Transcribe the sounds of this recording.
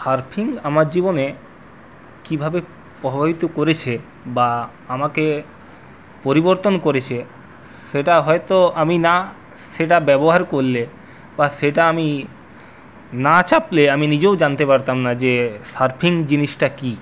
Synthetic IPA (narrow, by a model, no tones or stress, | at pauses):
saɾpʰiŋamaɾd͡ʑibone | kibʱabe | pɔɦbʱaɦit̪okoɾet͡ɕʰe | ba | amake | poɾiboɾt̪onkoɾet͡ɕʰe | ʃeʈaɦɔet̪oamina | ʃeʈabɛboɦaɾkoɾle | baʃeʈaami | nat͡ɕapleaminid͡ʑeod͡ʑant̪epaɾt̪amnad͡ʑesaɾpʰiŋd͡ʑiniʃʈaki